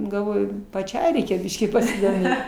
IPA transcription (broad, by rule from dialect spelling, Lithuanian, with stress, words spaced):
ɡɐlˠˈʋoːjʊ pɐˈt͡ʃʲɛɪ ˈrʲɛɪkʲɛ ˈbʲɪʃʲkʲiː pɐsʲɪdoːˈmʲeːt